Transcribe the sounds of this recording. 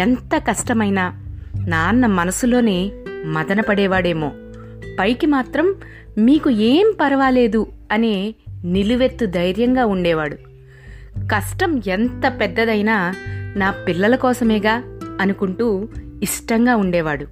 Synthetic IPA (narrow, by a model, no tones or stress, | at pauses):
ent̪ɐkɐʂʈɐmɐjnaːnaːnːɐmɐnɐsulo̞ːneːmɐd̪ɐnɐpɐɽɛːʋaːɽe̞ːmo̞̰ː | pɐjkimaːt̪ɾɐmː | iːkueːmpɐɾɐʋaːle̞ːd̪u | ɐne̞ːniluʋe̞t̪ːud̪ɐjɾjɐŋɡaːuɳɖɛːʋaːɽu | kɐʂʈɐment̪ɐpɛd̪ːɐd̪ɐjnaːnaːpilːɐlɐkɔːsɐmeːɡaːɐnukuɳʈuː | iʂʈɐŋɡaːuɳɖɛːʋaːɽu